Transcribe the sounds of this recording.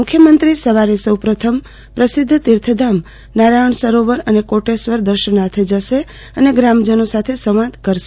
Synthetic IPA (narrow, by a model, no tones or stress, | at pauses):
ʊkʰːjəmənt̪ɾisəʋaɾesəwpɾət̪ʰəm | pɾəsɪd̪ʱːt̪iɾt̪ʰəd̪ʱam | naɾaəɳsəɾoʋəɾənekoʈesʋəɾd̪əɾʃənat̪ʰed͡ʒəʃe | əneɡɾamd͡ʒənosat̪ʰesəʋãd̪kəɾʃe